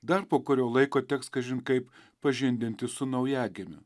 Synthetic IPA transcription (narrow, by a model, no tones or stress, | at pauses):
d̪ɐɾpoːkʊɾʲoːlˠɐɪkoːt̪ʲɛkskɐʒʲɪnkɐɪp | pɐʒʲɪnʲd̪ʲɪnʲt̪ʲɪsʊnɐʊjæːɡʲemʲʊ̰